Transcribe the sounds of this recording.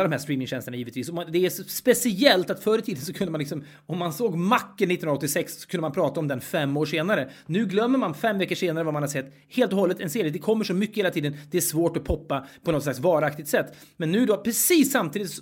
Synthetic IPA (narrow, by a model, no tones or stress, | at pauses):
ad̪ɔmhæɾʂt̪ɾiːmɪŋɕɛnst̪ləɳajiːvət̪viːsɔmad̪ɛæspɛsɪɛlt̪at̪fœːɾət̪ʰiːd̪ənsɔkʰɵnd̪əmanlɪksɔm | ɔmːansoːɡmakːənɪt̪ːnɵnɔt̪ːɪsɛkssɔ̥kʰɵnd̪əmanpʰɾɑːt̪aɔmd̪ɛnfɛmːoːʂeːnaɾənʉ̟ːɡlœmːəɾmanfɛmːvɛkːəʂeːnaɾəvaɾmanhad̪sɛt̪ː | heːlt̪ɔhɔlːət̪ɛnseːɾɪəd̪ɛkʰɔmːəʂɔmʏkːəheːlat̪ʰiːd̪ənd̪ɛæʂvoːʈɔpʰɔpːapʰɔnɔt̪slaksvɑːɾak̚t̪ɪt̪sɛt̪ː | mɛnːʉ̟ːdɔpʰɾɛsiːsːamt̪ʰiːd̪ɪt̪s